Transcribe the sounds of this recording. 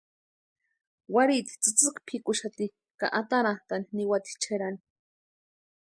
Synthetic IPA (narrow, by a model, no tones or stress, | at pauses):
waɾit̪i̥t͡sɨt͡sɨkpʰikuʃat̪i | ka̰ʔat̪anat̪aniniwat̪i̥t͡ʃʰeɾani̥